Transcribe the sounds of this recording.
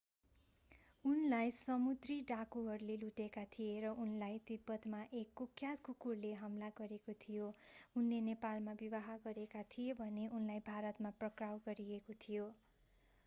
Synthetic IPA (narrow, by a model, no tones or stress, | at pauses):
unlajsʌmud̪riɖakuɦʌrleluʈekat̪ʰijeɾʌʔunlajt̪ipʌd̪maʔekːukʰːjat̪kukurleɦʌmlaɡʌɾekot̪ʰijounlenepalmabibaɦaɡʌɾekat̪ʰijebʱʌneʔunlajbʱaɾʌt̪maprʌkrawɡʌɾiekot̪ʰijo